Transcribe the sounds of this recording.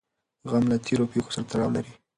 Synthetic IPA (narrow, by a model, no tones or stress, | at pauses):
ɣamlat̪ʰeɾopeko̥saɾat̪alɑwlaɾi